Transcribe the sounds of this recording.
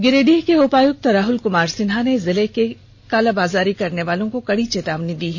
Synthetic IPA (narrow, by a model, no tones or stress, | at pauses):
ɡɪɾeːɖiːɦkeoːpaːjʊk̚t̪ɾaːɦʊlkʊmaːɾsɪnɦanezɪleke | kaːlabaːzaːɾikɐɾneʋaːlõkokɐɽit͡ʃeːt̪aːʋnid̪iːɦɛ